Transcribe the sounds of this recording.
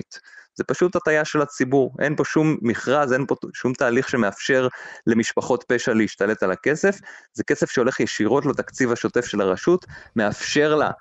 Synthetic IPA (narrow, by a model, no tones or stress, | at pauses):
t̪zepaʃutatajaʃe̞lat͡sibuʁʔenpo̞ʃumːiχʁaze̞npo̞ʃumtaːliχʃe̞meafʃe̞ʁle̞miʃpaχo̞tpe̞ʃaleiʃtale̞talake̞se̞fzeke̞se̞fʃeo̞le̞χjeʃiʁo̞tlat̪akt͡sivhaʃo̞te̞fʃe̞laʁaʃutme̞afʃe̞ʁla̰